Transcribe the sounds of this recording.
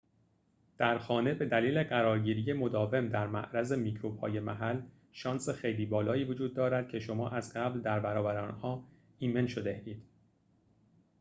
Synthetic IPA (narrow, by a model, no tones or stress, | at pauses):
d̪̥æɾxɒːne̞be̞d̪æliːle̞ɢæɾɒːɾɟiːɾije̞mo̞d̪ɒːve̞md̪æɾmæ̰ʔɾæzemiːcʰɾoːb̥hɒ̰ːje̞mæɦæl | ʃɒːnsexe̞jliːbɒːlɒːiːvo̞d͡ʒuːd̪̚ːɒːɾæd̪̥̚cʰe̞ʃo̞mɒːʔæzɢæbld̪æɾbæɾɒːbæɾeɒːnhɒː | iːme̞nʃod̪e̞iːd̪̥